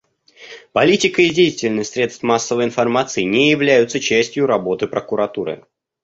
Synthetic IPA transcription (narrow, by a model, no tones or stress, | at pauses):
pɐlʲitʲɪkəɪdʲejɪtʲɪlʲnəɨxʲsʲɾʲe̞t̪st̪masːəvəjɪn̪fɐrmat̪sɨɪnʲejɪvlʲæjʊt̪sət͡ɕæsʲtʲjʊɾɐbo̞t̪ɨpɾəkʊɾɐt̪uɾɨ̰